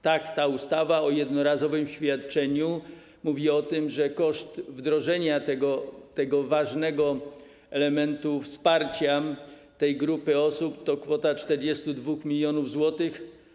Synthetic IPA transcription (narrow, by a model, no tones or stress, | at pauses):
t̪akt̪aust̪avaɔjɛd̪nɔɾazɔvɘmɕfʲjat̪t͡ʂɛɲu | muvʲiɔt̪ɘmʐɛkɔʂt̪vd̪ɾɔʐɛɲat̪ɛɡɔt̪ɛɡɔvaʐnɛɡɔ | ɛlɛmɛnt̪ufspaɾt͡ɕa | t̪ɛjɡɾupɘɔsupt̪ɔkfɔt̪at͡ʂt̪ɛɾd͡ʑɛst̪ud̪vuxmʲilʲjɔnuvzwɔt̪ɘx